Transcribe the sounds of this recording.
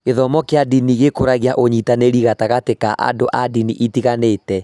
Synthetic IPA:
eðɔmɔkeadiniɣekoɾaɣjaʔoɲitaneɾiɣataɣatekaʔa̰doʔadiniʔitiɣanetɛ

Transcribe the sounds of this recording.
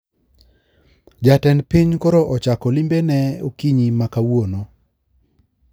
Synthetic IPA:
d͡ʒatɛnpiɲkɔɾɔʔɔt͡ʃakɔlimbenɛokiɲimakawono

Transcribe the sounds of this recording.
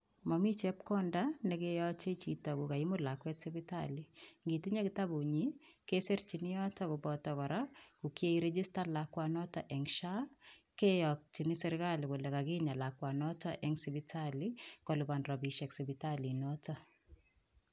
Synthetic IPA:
mɔmit͡ʃɛp̚kɔndanɛkejɔt͡ʃeit͡ʃitɔkʊkaimʊlakwɛtsɪbita̰liŋɡitiɲekɪtabuɲikeseɾt͡ʃinijɔtakʊbɔtɔkɔɾakukjeiɾɛd͡ʒistalakwanɔtaʔɛŋʃakejɔk̚t͡ʃinisɛɾɪkalikʊlɛkaɡɪɲalakwanɔtaʔɛŋsibitʰalikɔlubanrɔbiʃɛksibitalinɔta

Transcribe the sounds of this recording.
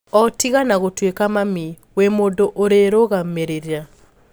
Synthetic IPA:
ɔtiɣanaɣotwekamami | wemoːdoʔoɾeɾoɣameɾeɾja

